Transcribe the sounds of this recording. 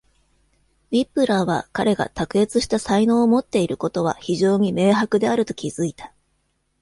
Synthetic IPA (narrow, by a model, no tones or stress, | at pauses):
bʲipːɯ̟ɾaβ̞a̰kaɾe̞ɡa̰t̪akɯ̟e̞t͡sɨɕi̥t̪asaino̞ːmo̞t̪ːe̞iɾɯ̟ko̞t̪o̞β̞a̰çiʑo̞ːɲ̟ime̞ːɦakɯ̟d̪e̞aɾɯ̟t̪o̞̥kʲizɨit̪ḁ